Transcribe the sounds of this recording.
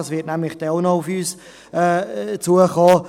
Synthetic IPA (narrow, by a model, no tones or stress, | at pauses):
ɑsʋɪtnɛmləχd̥ɛʊnɔufyːs | ɛːt͡suəχɔː